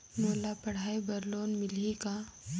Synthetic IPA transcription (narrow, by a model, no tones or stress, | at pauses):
moːlapɐɽ̤aːibɐɾloːnmɪlika